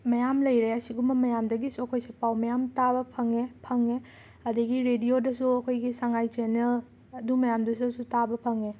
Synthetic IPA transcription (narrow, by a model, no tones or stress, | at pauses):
mɐjamlɐjɾeɐsiɡumbɐmɐjamdɐɡisuɐkʰojsepawmɐjamtabɐpʰɐŋepʰɐŋe | ɐdɐɡiɾedijodɐsuɐkʰojɡisaŋajt͡ʃenel | ɐdumɐjamdɐsuɐsutabɐpʰɐŋe